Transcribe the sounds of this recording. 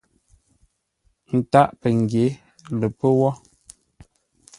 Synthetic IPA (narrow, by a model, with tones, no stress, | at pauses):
n̩˨ta˦ʔpə˨ŋ˨ɡje˨˦ | lə˨pə˦wɔ˦